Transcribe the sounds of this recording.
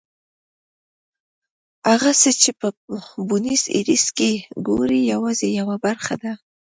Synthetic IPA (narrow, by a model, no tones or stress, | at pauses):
aɣasət͡ʃepəbʊnizḭɾiskeɡoɾijawɑzejawabaɾxa̰d̪a